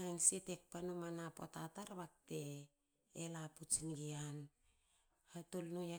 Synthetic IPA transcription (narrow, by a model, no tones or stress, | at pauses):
aŋsetek̚panumanapo̰tataɾβak̚teː | laput͡ʃinɡian | hatolnuja